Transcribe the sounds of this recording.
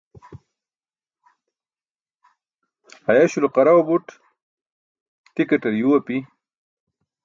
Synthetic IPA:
ajaɕulqaɾawbuʈ | t̪ikaʈɐɾjuwapi

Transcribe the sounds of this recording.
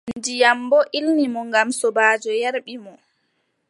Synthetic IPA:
nndijambɔʔilnimɔŋɡamsɔbaːd͡ʒɔjɛɾɓimɔ

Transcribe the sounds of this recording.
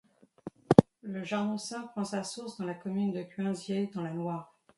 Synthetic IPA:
ləʒaʁnɔ̃sɛ̃pχɑ̃sasuʁsd̪ɑ̃lakɔmynd̪əkʲɥɛ̃zjed̪ɑ̃lanwaːʁ

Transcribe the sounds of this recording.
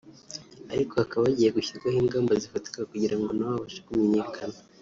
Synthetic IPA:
aɾiko̞hakaβaβaɟiːjeɡuçiɾɡwahiːŋɡaːmbazifati̥kaakuɟiɾaŋɡo̞nawaβaʃekumeɲe̞kʰana

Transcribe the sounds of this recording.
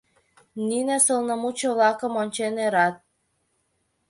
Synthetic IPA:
ninesəlnəmut͡ɕoβlɑkəmonʲt͡ɕeneɾɑt̪̚

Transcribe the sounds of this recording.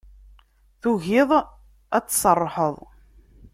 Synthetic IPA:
θuʝɪðˤ | æt͡sːsˤərˤːħəðˤ

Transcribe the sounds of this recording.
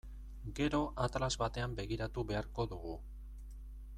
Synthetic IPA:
ɡe̞ɾo̞ʔat̪lazβat̪e̞ambe̞ɣiɾat̪uβe̞aɾko̞ðuɣu

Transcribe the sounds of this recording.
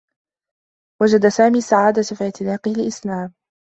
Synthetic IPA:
wad͡ʒad̪asaːmiːsaʕaːd̪afiʕt̪ɪnaːqɪhɪlʔɪslaːm

